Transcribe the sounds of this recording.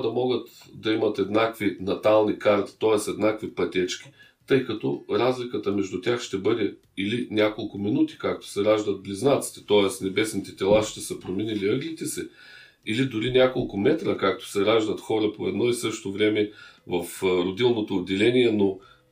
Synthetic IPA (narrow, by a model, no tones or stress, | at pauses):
d̪ɐmɔɡət̪ | d̪ɐimɐt̪ɛd̪nakvinɐt̪alˠnikaɾt̪i̥t̪ɔɛsɛd̪nakvipɐt̪ʲɛt͡ʃk̟ʲi̥ | t̪ɤjkɐt̪ɔɾazlikət̪əmɛʒd̪ʊt̪ʲaxʃt̪ɛbɤd̪ɛ | ilinʲjakolˠkʊminut̪i̥kak̚t̪o̥sɛɾaʒd̪ət̪̚bliznat̪si̥t̪ɛ̥t̪ɔɛsnɛbɛsnit̪ɛt̪ʲɛlˠaʃt̪ɛsəpɾominiliɤɡlit̪ɛsɛ | ilid̪ʊɾinʲakolˠkʊmɛt̪ɾəkak̚t̪o̥sɛɾaʒd̪ət̪xɔɾəpoɛd̪nɔisɤʃt̪ovɾɛmɛvɐfɾod̪ilˠnot̪oːd̪ʲɛlɛniɛno